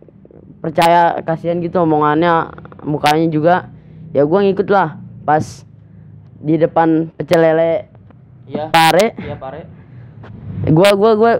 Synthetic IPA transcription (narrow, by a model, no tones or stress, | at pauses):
pərt͡ʃajakasianɡit̪umoŋanɲamukaɲad͡ʒuɡajaɡuaŋikʊt̪lahpas | didəpanpət͡ʃəlɛle | paɾɛ | ɡuaɡuaɡua